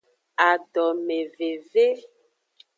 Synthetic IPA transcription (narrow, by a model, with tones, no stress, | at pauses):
a˨ɖɔ˨me˨ve˨ve˦